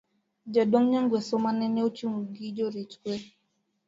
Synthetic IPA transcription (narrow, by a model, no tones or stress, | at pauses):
d͡ʒaɗɔŋɲaŋɡwɛsɔmanɛnɛot͡ʃimuɡid͡ʒɔɾit͡ʃkwɛ